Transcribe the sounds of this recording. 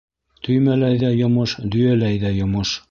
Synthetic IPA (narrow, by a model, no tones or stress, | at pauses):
t̪ʰɵ̆jmælæjðæjŏmɤʃd̪ɵ̆jælæjðæjŏmɤʃ